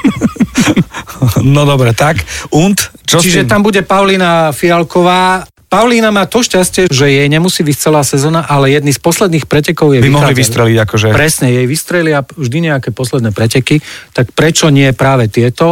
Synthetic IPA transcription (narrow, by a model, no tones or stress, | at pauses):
nɔd̪ɔbɾɛt̪akunt̪ | t͡ʃɔt͡ʃiʒɛt̪ambuɟɛpaʊliːnafialkɔʋaː | paʊliːnamaːt̪ɔʃcascɪɛʒɛjɛjɲɛmusiːbict͡sɛlaːsɛzɔːnaʔalɛjɛd̪nispɔslɛd̪niːxpɾɛcɛkɔʊjɛbiɔɦliʋist̪ɾɛliɟakɔʒɛpɾɛsɲɛjɛjʋist̪ɾɛlɪaʒd̪iɲɛakɛpɔslɛd̪nɛːpɾɛcɛkit̪akpɾɛt͡ʃɔɲɪɛpɾaːʋɛt̪ɪɛt̪ɔ